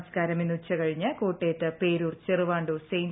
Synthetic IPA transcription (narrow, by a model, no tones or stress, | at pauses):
skaːɾɐminːut͡ɕːɐkɐɻiɲːɐkoːʈːeːt̪ːɨpeːɾuːrt͡ɕerɨʋaːɳɖoːsejn